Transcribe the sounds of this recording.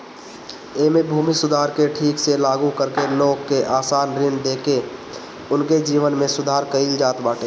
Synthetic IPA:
eːmẽbʱuːmisʊd̪ʱaːɾkeʈʰiːkselaːɡukəɾkeloːɡkeʔaːsaːnɾɪnd̪eːke | ʊnked͡ʒiːʋənmẽsʊd̪ʱaːɾkəild͡ʒaːt̪baːʈeː

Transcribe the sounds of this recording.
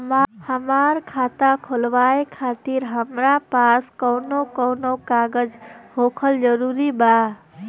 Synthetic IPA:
mhəmaɾkʰat̪akʰolʋaekʰat̪iɾɦəmɾapaskəwnokəwnokaɡəd͡ʒɦokʰəld͡ʒəɾuɾiba

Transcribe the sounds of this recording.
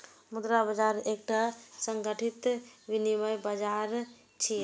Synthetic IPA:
mud̪ɾabəd͡ʒaɾek̚ʈasəŋɡəʈʰit̪biniməjbad͡ʒaɾ | t͡ʃʰi

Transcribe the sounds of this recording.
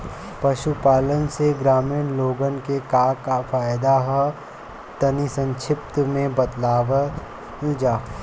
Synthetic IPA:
pɐʃupaːlənseɡɾaːmiːnloːɡənkekaːkafaːjd̪aɦɛ | t̪ɐnisə̃nʃʰɪp̚t̪mẽbɐt̪laːʋə | d͡ʒaː

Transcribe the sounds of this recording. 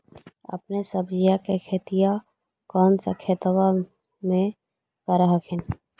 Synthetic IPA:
ə̰pnesəbd͡ʒijakekʰeːt̪ija | kɔːnsa̰kʰeːt̪wa | mẽ | kəɾəɦəkʰɪn

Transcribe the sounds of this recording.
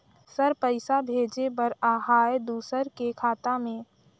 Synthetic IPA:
səɾpəɪsabʱeːd͡ʒebəɾaːɦaːed̪uːsəɾkekʰaːt̪amẽː

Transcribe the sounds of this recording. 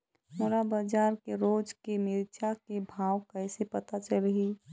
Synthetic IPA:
moɾabad͡ʒaːɾkeɾoːd͡ʒkemɪɾt͡ʃʰakebʱaːwkəɪsepət̪at͡ʃəlɦi

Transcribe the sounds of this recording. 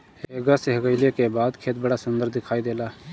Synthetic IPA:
eɡəseɦəɡəɪlekebaːd̪kʰeːt̪̚bəɽaːsʊnd̪əɾd̪ɪkʰaːid̪eːlaː

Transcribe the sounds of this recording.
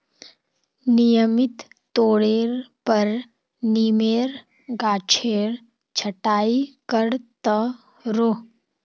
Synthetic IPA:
nɪjəmɪt̪ː | oːɽeːɾpəɾ | niːmeːɾ | ɡaːt͡ʃʰeːɾ | t͡ʃʰəʈaːikəɽt̪ə | ɾoː

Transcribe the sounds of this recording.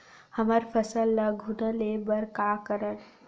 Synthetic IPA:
həməɾfʰəsəlːaɡʱunəlebəɾkaːkəɾən

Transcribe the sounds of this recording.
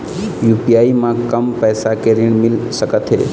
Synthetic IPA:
jupijaːimãkəmpɛːsakeɾɪɳ̃mɪlsəkət̪ɦḛː

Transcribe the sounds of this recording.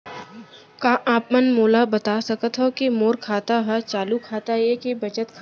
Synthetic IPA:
kãːʔaːpmənmoːlabɐt̪asɐkət̪ɦokimoːɾkʰaːt̪aɦɛt͡ʃaːlukʰaːt̪ajekibɐt͡ʃət̪kʰ

